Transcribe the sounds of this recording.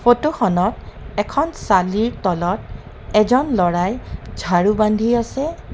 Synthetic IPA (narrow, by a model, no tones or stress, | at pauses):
fotuxɔnɔtɛkʰɔnsaliɹtɔlɔt | ɛzɔnlɔɹajd͡ʒʱaɹubandʱiasɛ